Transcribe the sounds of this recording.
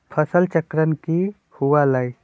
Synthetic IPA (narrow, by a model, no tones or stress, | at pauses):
pʰəsəlt͡ʃəkɾənki | huwalaj